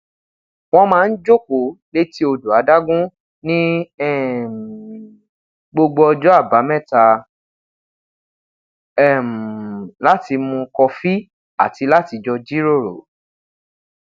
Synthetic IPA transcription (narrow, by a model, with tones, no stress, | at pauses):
w̃ɔ̃˧mãː˨˦˧n̩˦d͡ʒo˦˨ko˨˦le˦ti˦o˧du˨a˨˦da˦ɡũ˦ | nĩ˦ɛ˦˨ | ɡ͡bo˧ɡ͡bo˧ɔ˧d͡ʒɔ˦a˦˨ba˨˦mɛ̃˦˨ta˧ | ɛ˦˨m˨la˦ti˧mũ˧kɔ˧fi˦ | a˦˨ti˧la˦ti˨˧d͡ʒɔ˧d͡ʒi˦ɾo˦˨ɾo̰˨